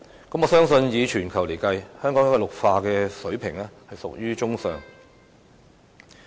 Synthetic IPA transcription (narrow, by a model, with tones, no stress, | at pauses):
kɐ˨˥mɔː˨˧sœː˥ŋsɵ˧njiː˨˧t͡ʃʰyː˨˩nkʰɐ˨˩wle˨˩jkɐ˧jhœː˥ŋkɔː˨˥jɐ˥kːɔː˨˧lʊ˨k̚faː˧kɛː˧sɵ˨˥ɥpʰɪ˨˩ŋɛ˥hɐ˨jsʊ˨k̚jyː˥t͡ʃʊ˥ŋsœː˨ŋ